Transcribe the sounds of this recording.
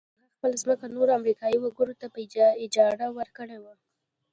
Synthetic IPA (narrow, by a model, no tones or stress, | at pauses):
axpəlazməkanoɾoamɾikɑjiwaɡəɾot̪apəɪd͡ʒɑɾawəɾkəɽewa